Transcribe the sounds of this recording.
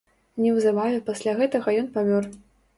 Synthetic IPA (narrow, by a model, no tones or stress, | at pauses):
nʲɛwzabajɛpasʲlʲaɣɛt̪ɐɣɐjɔnpamʲɔr